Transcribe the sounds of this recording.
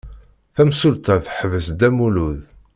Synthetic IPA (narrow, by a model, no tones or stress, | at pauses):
θæmsult̪æθħəvəsd̪æmuluð